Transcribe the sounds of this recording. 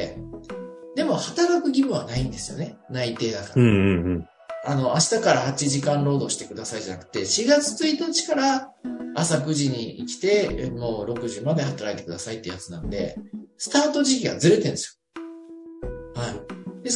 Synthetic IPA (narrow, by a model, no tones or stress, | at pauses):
ḛ | d̪e̞mo̞hat̪aɾakɯ̟ɡʲimɯ̟̃βanaĩnd̪e̞sɨjo̞̰ne̞nait̪e̞ːd̪akaɾa | ano̞aɕi̥t̪akaɾahat͡ɕiʑikãnɾo̞ːd̪o̞ːɕi̥t̪e̞kɯ̟d̪asaiʑana̰kɯ̥t̪ːe̞ɕiɡat͡sɨ̥t͡sɨit̪at͡ɕi̥kaɾaː | sakɯ̟ʑiɲ̟iḭkʲi̥t̪e̞mo̞ːɾo̞kɯ̟ʑimad̪e̞hat̪aɾait̪e̞kɯ̟d̪asait̪ːejat͡sɨnã̰nod̪e̞̰sɨ̥t̪aːt̪o̞ʑikʲiɡa̰zɨɾe̞t̪ẽne̞sjo̥ | haid̪e